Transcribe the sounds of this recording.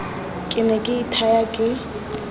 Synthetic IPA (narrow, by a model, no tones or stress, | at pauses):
kʼɪnɛkʼɪitʰajakʼɪ